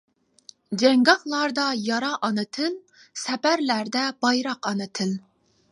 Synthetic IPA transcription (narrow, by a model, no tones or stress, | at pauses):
d͡ʒɛŋɡɑχlˠɑɾd̪ɑjɑɾɑʔɑnɨt̪ʰɨl | sɛbæɾlæɾd̪ɛbɑjɾɑqɑnɨt̪ʰɨl